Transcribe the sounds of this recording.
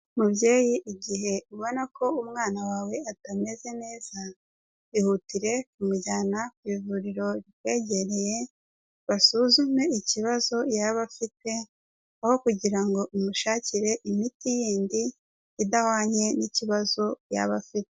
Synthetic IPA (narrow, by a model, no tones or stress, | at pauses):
mubje̞ːjiʔːɟiɦe̞uβo̞nakʰo̞umŋaːnawaːwe̞atame̞ze̞ne̞ːz̥a | ihutiɾe̞k̚umuɟaːnakwiːvuɾiɾo̞βikwe̞ːɟe̞ɾe̞je | βasuzume̞iciβazo̞jaβafit̚e̞ | aho̞kuɟiɾaŋɡo̞ʔumuʃaːciɾe̞ʔimitijiːndiː | dahaːɲe̞niciβazo̞ja̰βafitee̥